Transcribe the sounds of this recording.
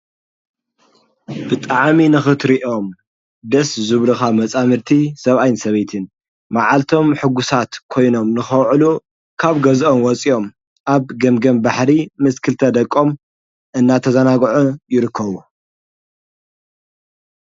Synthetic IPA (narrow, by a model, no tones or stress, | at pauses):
bɨt̪ʼaʕminɨxɨt̪ɾiʔo̞m | d̪ɐszɨβɾɨxamɐt͡sʼamɨɾt̪ʰisɐβʔajnsɐβejt̪ʰɨn | maʕalt̪ʰo̞mħɨɡusat̪kʰo̞jno̞mnɨxɐwʕɨlu | kʰaβɡɐzʔo̞mwɔt͡sʼio̞m | ʔaβɡɐmɡɐmbaħɾimɨskʰɨlt̪ʰɐd̪ɐkʼːo̞m | ʔɨnːat̪ʰɐzɐnaɡʕujɪɾɨkʰːɐβu